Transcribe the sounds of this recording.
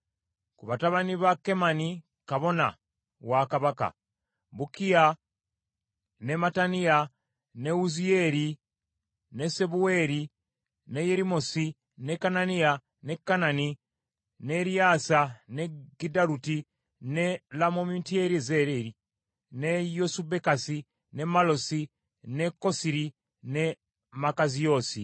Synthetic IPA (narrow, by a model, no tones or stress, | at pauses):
kuβataβaniβake̞mani | kaβo̞na̰ | wakaβaka̰ | βukija | nematania | ne̞uzieɾi | ne̞se̞βue̞ːɾi | ne̞jeɾimosi | nekanania | nekːanani | neɾiasaneɡidaɾuti | nelamomintieɾizeɾeɾi | nejosubekasi | nemalosi | nekosiɾi | ne | makazijoːsi